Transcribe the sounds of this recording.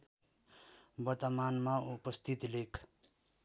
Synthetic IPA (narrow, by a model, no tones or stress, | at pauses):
bʌt̪əmanmaupʌst̪ʰit̪lekʰ